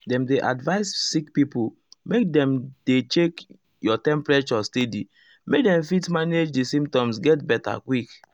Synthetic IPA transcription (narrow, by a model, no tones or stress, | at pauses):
dɛ̃mdeʔadvaɪssikpipu | mek̚dɛ̃mdet͡ʃek | jɔtɛ̃mpɹet͡ʃɔstedi | mek̚dɛ̃mfitmaned͡ʒdisĩmtɔ̃msɡɛtbɛta̰kwik